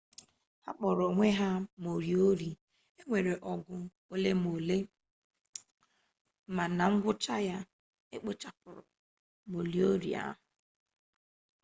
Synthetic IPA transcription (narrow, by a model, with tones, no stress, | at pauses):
ha˦k͡pɔ˨ɾɔ˨ŋʷe˦ɦa˦mo˨ɾi˨o˦ɾi˨ | e˦ŋʷe˨ɾe˨ʔɔ˨ɡʊ˦ | o˦le˦mo˨le˦ | ma˨na˨ŋ̩˦ɡʷʊ˦t͡ʃa˦ja˦ | e˦k͡pe˦t͡ʃa˦k͡pʊ˨ɾɔ̰˨ | mo˨li˨o˦ɾḭ˨a̰˦ɦʊ˨